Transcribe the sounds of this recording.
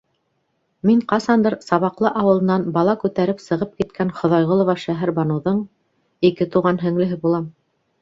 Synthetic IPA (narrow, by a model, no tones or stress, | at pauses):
miɴqɑsɑnd̪ɤɾsɑβɑqlˠɤʔɑwɤ̆lˠɤ̆nɑnbɑlˠɑkʉt̪æɾɘpsɤ̆ʁɤp̚kit̪kʰænχŏðɑjʁŏlˠŏvɑʃæɦɘɾbɑnŭðɤɴ | ikɘt̪uʁɑnɦɘ̆ŋlɘ̆ɦɘbulˠɑm